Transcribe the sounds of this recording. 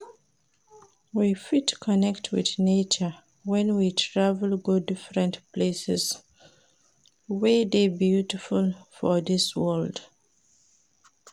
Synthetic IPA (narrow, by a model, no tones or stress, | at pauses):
wifitkʰɔnɛktʰwɪ̰ðnet͡ʃə | wɛ̃nwitʰɹavəlɡodɪfɹɛ̃ntplesɛs | weðebjutifulfɔðiswɜld̥